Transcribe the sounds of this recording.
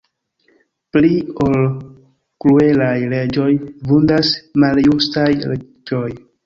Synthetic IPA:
plio̞l | kɾue̞lajle̞d͡ʒo̞jvundasmaljustajle | d͡ʒo̞j

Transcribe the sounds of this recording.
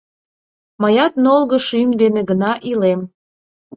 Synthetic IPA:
mɑjɑt̪nolɣə̆ʃymd̪enĕɡənɑʔilem

